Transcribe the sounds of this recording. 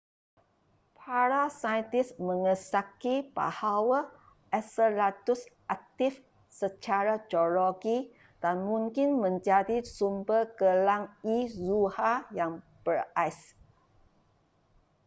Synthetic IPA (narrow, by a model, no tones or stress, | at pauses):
pʰaɾasaənt̪ɪsmə̃ŋəsakiba̰hawa | ʔɛsəlat̪usʔak̚t̪if | sət͡ʃaɾad͡ʒoloɡi | d̥anmũŋkɪnmə̃ɲd͡ʒadisumbərɡəlaŋizuhajaŋ | b̥əɾajs